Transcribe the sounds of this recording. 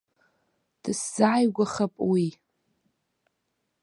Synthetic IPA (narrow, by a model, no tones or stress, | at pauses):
d̥ɨsz̥aːjɡʷaχapʼwi